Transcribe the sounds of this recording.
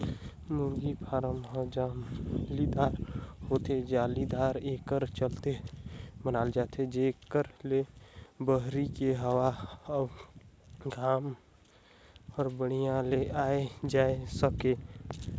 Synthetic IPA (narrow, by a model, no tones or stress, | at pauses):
muɾɡipʰaːɾəmɦə̃d͡ʒalid̪aːɾhoːt̪ed͡ʒaːlid̪aːɾeːkəɾt͡ʃəlt̪emənaːld͡ʒaːt̪ʰed͡ʒekəɾlebəɦɾikeɦəwab | ɡʱaːm | ɔːɾbəɽ̤̃ijãleʔaːed͡ʒaːesəke